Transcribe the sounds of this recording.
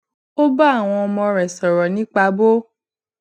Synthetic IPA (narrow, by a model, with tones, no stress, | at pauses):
o˦ba˦a˦˨w̃ɔ̃˧ɔ˧mɔ̃˧ɾɛ˨sɔ˨ɾɔ˨nĩ˨˦k͡pa˧bo˦